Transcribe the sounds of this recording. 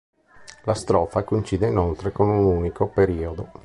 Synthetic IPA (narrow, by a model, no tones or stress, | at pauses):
last̪ɾɔːfakoint͡ʃiːd̪einolt̪ɾekomeunuːnikopeɾiːod̪o